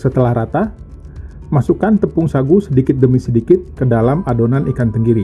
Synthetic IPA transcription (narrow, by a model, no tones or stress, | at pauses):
sət̪əlahɾat̪a | masukant̪əpʊŋsaɡusədikɪt̪̚ɡəmisədikɪt̪̚kədalamadonanʔikant̪əŋɡiɾi